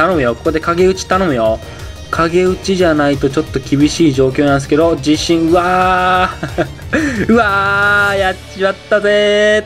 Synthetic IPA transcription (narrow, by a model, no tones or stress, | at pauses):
t̪anõmɯjo̞ko̞ko̞d̪e̞kaɡe̞ɯ̟t͡ɕi̥t̪anõ̞mɯ̟jo̞ | kʰaɡe̞ɯ̟t͡ɕiʑanait̪ot͡ɕo̞t̪ːo̞kʲibʲiɕiːʑo̞ːk̬ʲo̞ːnãnd̪sɨ̥ke̞d̪o̞d͡ʑiɕĩɰ̃ɯ̟βa | ɯ̟ajat͡ɕiβat̪ːaze